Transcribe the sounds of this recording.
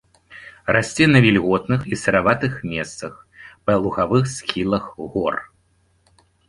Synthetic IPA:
rasʲt͡sʲɛnɐvʲilʲɣɔt̪nɨxisɐɾavat̪ɨxmʲɛst̪sɐx | pɐlˠuɣavɨxskʲilˠɐxɣɔr

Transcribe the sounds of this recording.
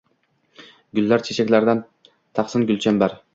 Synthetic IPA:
ɡʲʊlːaɾt͡ʃʰet͡ʃʰakʲlaɾd̪an | t̪ʰɑqsɪnɡʲʊlt͡ʃʰanbaɾ

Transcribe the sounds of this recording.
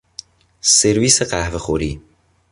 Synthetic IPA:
seɾviːseqæhvexoɾḭː

